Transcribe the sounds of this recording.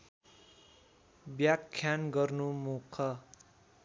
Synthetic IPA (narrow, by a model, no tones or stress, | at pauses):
bjakʰːjanɡʌrnumukʰʌ